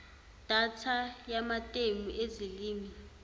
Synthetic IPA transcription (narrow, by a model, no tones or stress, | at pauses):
d̥ʱatʰajamatʼemuʔeziliːmi